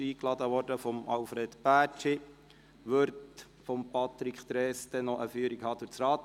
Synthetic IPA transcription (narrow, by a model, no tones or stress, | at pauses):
iːklɑd̪əʋɔːɾdəfɔmɑlfɾɛt̪pæːt͡ʃi | ʋøɾt | fɔmpʰɑt̪ɾikχt̪ɾɛːsd̥̪ɛnɔʔəfyːəɾikhɑːd̥̪uɾt͡sɾɑːt̪